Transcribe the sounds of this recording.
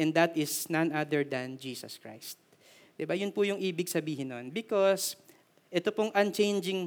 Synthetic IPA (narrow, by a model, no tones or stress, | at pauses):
ʔɛ̃nd̪ɐt̪ɪsnɐnad̪ɛɹd̪ɐnd͡ʒiːsɐ̰skɹa̰jst̪̚ | d̪ɪbajʊnpʊjʊŋʔiːbɪɡsɐbiːhɪnːonbɪkos | ʔɛt̪opoŋʔɐ̃nt͡ʃẽjnd͡ʒɪŋ